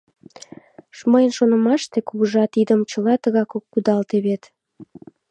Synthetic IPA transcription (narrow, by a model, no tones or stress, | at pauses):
ʃməjənʃonə̆mɑʃt̪ekuɣəʒɑt̪id̪əmt͡ɕəlɑt̪əɣɑkokːud̪ɑlt̪eβet̪